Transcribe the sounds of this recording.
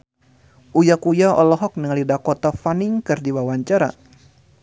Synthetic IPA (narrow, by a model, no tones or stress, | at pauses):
ʔujakujaɔ̰lɔɦɔk̚nəŋalidakot̪afaniŋkɨrdiwawaɲt͡ʃaɾa̰